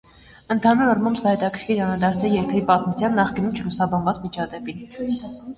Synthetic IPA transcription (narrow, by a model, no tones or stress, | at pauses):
ənt̪ʰɑnuɾɑrmɑmbsɑhɛt̪ɑkʰəɾkʰiɾɑnɾɑd̪ɑɾt͡sʰɛjɛɾkɾipɑt̪mut͡sʰjɑnːɑχkinumt͡ʃʰlusɑbɑnvɑt͡svit͡ʃʰɑd̪ɛpin